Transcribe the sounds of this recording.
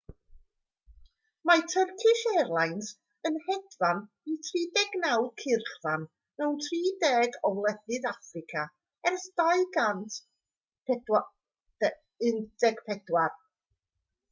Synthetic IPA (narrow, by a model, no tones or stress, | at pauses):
matʰərkʰɪʃɛrlˠajnt | ənhɛdvan | itʰriːdɛɡnawd̚kʰɪrχvan | mɛwntʰriːdɛːɡɔwlˠɛθɨðafrɪkʰa | ɛrsdaɨɡantʰ | pʰɛdwḁ | ɨndɛɡ̥pʰɛdwar